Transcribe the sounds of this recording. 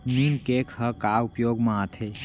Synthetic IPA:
ninkekʰhəkaupjoːɡmãːt̪ʰe

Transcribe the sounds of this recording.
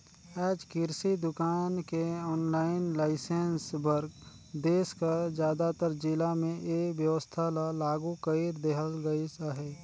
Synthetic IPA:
ɛːd͡ʒkɪɾsid̪ʊkaːnkeɔːnlaːɪnlaːɪsensbəɾɡ | d̪eːskəd͡ʒjaːd̪at̪əɾd͡ʒɪlamẽʔeːkʋjəʋəst̪ʰalalaːɡũkəiɾd̪eɦəlɡəisaɦɛː

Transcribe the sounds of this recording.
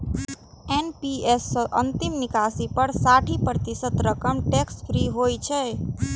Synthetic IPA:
enpiesːʔənt̪ɪmnɪkaːsipəɾsaʈʰipɾət̪ɪsət̪ɾəkəmʈekspʰɾiɦojt͡ʃʰɛ

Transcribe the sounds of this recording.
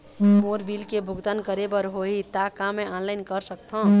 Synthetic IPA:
moɾbilkebʱʊɡt̪ankəɾebəɾɦoɦit̪akameɔ̃nlaɪnkəɾsəkt̪ʰə̃

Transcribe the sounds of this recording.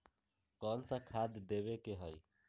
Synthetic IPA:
kɔːnsakʰaːd̪d̪eːʋekeɦəi

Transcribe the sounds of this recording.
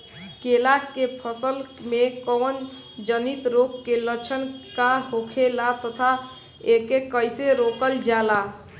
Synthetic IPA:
kelakepʰəsəlmekɔn | d͡ʒənit̪ɾokːelət͡ʃʰənkaɦokʰelat̪ət̪ʰa | ekekəjseɾokəld͡ʒala

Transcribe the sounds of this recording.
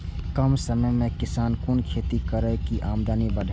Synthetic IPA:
kəmsəməjmẽkɪsaːnkʊnkʰeːt̪ikəɾəkiʔaːmd̪aːnibəɖʱ

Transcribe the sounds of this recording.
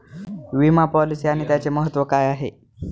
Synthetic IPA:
ʋimapɔlisiaɽ̃it̪jat͡seməɦət̪ːʋəkajaɦḛ

